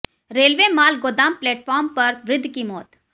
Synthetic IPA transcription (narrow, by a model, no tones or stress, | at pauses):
ɾeːlʋeːmaːlɡoːd̪aːmplɛːʈfʰɔːɾmpɐɾʋɾɪd̪ʱːkimɔːt̪